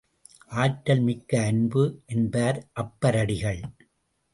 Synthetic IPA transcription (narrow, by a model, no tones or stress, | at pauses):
ʔaːʈːɐlmɪkːɐːnbɯʔɛnbaːɾʔɐpːɐɾɐɽɪɣɐɭ